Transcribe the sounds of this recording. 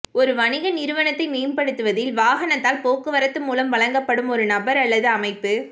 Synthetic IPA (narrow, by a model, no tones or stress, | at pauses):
ɔɾɯʋɐɳɪɣɐnɪɾɯʋɐnɐt̪ːɐɪmeːmpɐɽɯt̪ːɯʋɐðɪlʋaːɣɐɳɐt̪ːaːlpoːkːɯʋɐɾɐt̪ːɯmuːlɐmʋɐɭɐŋɡɐpːɐɽɯmɔɾɯnɐbɐɾɐlːɐðɯɐmɐɪpːɯ